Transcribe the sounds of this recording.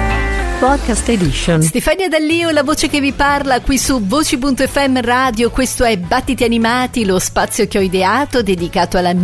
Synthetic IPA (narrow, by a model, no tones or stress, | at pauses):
pɔd̪̚kast̪ed̪iʃonst̪efanːjad̪alːiːolavoːt͡ʃek̟evːiparlakwisuvoːt͡ʃipunt̪oɛfːɛmːraːd̪jokwest̪oɛbat̪ːit̪ianimaːt̪ilospat̪sːjok̟eɔid̪eaːt̪od̪ed̪ikaːt̪oalːan